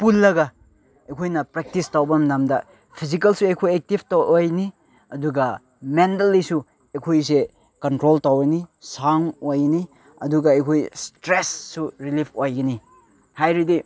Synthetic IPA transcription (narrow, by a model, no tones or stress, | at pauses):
pulːɐɡɐ | ɐjkʰojnɐpɾek̚tistawbɐmnamdɐ | pʰiz̬ikɐlsuejkʰojek̚tibʰtaojni | ɐduɡɐ | mentɐlːisu | ejkʰojse | kɐntɾoltawɐnisaŋojni | ɐ̰duɡɐɐjkʰojstɾesːuɾilipʰojɡɐni | hajɾidi